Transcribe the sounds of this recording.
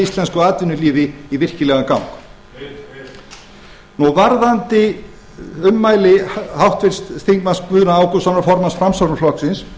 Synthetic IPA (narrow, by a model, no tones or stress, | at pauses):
ist̪lɛnskʏaːt̪vɪnʏliːvɪivɪr̥cɪlɛɣakawŋk | nɔvaɾðant̪ɪ | ʏmːaːjlɪhawht̪vɪɾ̥st̪θiŋkmaspʏðnaaːwkʏsɔnaɾfɔɾmansfɾamsawɾʏflɔksɪns